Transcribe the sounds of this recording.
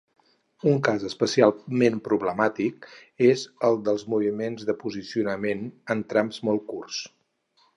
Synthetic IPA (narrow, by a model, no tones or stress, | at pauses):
uŋkazəspəsialˠmempɾuβləmat̪ik̚ezəlˠd̪əlˠzmuβimenzðəpuzisiunəmenənt̪ɾamzmɔlˠkurs